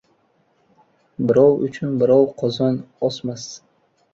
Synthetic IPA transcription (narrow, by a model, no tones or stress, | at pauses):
bɪɾɒwʊ̰t͡ʃʰʊnbɪɾɒwqʰɒzɒnɒsmas